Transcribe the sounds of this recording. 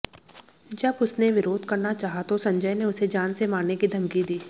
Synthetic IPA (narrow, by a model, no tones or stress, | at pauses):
d͡ʒɐbʊsneʋɪɾoːd̪ʱkɐɾnat͡ʃaːɦat̪osɐ̃ɲd͡ʒəjneʊsed͡ʒaːnsemaːnekid̪ʱɐmkid̪iː